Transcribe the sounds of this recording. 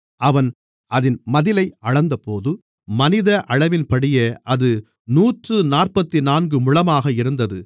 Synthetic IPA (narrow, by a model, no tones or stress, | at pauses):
ɐʋɐn | ʔɐðɪnmɐðɪlɐɪɐɻɐnd̪ɐpoːðɯ | mɐnɪðɐʔɐɻɐʋɪnpɐɽɪjeːʔɐðɯ | nuːʈrɯnaːrpɐt̪ːinaːnɡɯmʊɻɐmaːɣɐɪɾɯnd̪ɐðɯ